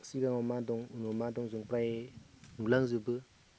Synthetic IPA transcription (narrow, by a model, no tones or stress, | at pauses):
siɡaŋɔmadɔŋunɔmadɔŋzuŋpɾaenulaŋzubɯ